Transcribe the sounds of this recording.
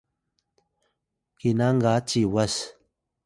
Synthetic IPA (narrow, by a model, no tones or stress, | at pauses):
kinaŋɡat͡ʃiwas